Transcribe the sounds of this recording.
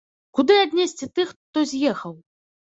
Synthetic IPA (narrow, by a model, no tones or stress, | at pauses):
kud̪ɨad̪ʲnʲesʲt͡sʲit̪ɨxt̪ɔzʲjɛxɐw